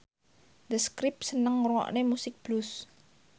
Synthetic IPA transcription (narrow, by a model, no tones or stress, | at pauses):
d̪əskɾɪp̚sənəŋrwɔ̰ʔnemusɪk̚b̥lʊs